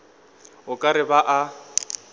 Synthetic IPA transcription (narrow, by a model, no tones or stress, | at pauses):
ʊkʼaɾɪbaʔa